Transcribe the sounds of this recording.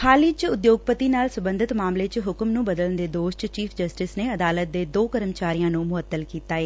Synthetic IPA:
xʰaːliːt͡ʃʊd̪joːɡpət̪iːnaːlsəbə̃nd̪ɪt̪maːmleːt͡ʃɦʊkmnũːbəd̪ələnd̪eːd̪oːʃt͡ʃt͡ʃiːfʰd͡ʒəsʈɪsneːəd̪aːlət̪̚d̪eːd̪oːkəɾəmt͡ʃaːɾijãːnũːmʊət̪ːəlkiːt̪aːeː

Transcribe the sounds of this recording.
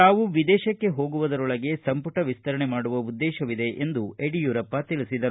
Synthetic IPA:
aːʋuʋid̪ɛːʃɐkːe̞ɦo̞ːɡuʋɐd̪ɐɾɔɭɐɡe̞sɐmpuʈɐʋist̪ɐɾɐɳemaːɽuʋɐud̪ːɛːʃɐʋid̪e̞ʔend̪ueɖijuːɾɐpːɐt̪ilisid̪ɐɾ

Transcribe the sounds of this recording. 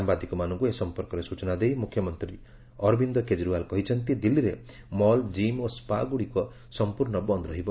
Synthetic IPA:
ambad̪ʱikɔmanɔŋkuesɔmpɔɾkɔɾesut͡ʃɔnad̪ejmukʰjɔmɔnt̪ɾi | ɔɾbind̪ɔked͡ʒɾualkɔɦit͡ʃʰɔnt̪id̪ilːiɾe | mɔld͡ʒimospaɡuɽikɔ | sɔmpuɾɳɔbɔnd̪ɾɔɦibɔ

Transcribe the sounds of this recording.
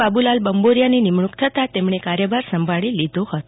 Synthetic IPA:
abulalbəmboɾjaninimɳukt̪ʰət̪at̪emɳ̃ekaɾjəbaɾsəmbʱaɭilid̪ʱohət̪o

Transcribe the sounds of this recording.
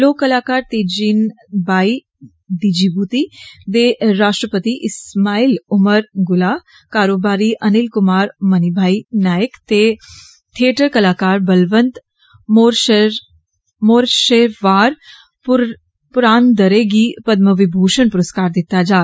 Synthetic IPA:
loːkːɐlaːkaːɾt̪eːd͡ʒin | bʱaːi | d̪id͡ʒibut̪id̪eɾaːʂʈɾəpət̪iʔɪsmaːilʊməɾɡʊlaː | kaːɾoːbaːɾiʔɐnɪlkʊmaːɾmɐnibʱaːinaːjəkt̪e | t̪ʰieːʈəɾkɐlaːkaːɾbɐlʋənt̪ | moɾ | moːɾʃeːɾʋaːɾ | pʊɾaːnd̪ɐɾeːɡipɐd̪məʋɪbʱuːʃənpʊɾəskaːɾd̪ɪt̪ːad͡ʒaː

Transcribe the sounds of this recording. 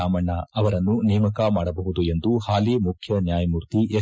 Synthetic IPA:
aːmɐɳːɐɐʋɐɾɐnːunijɐmɐkɐmaːɽɐbɐɦud̪ue̞nd̪uhaːlimukʰjɐnjaːjɐmuɾt̪iʔe

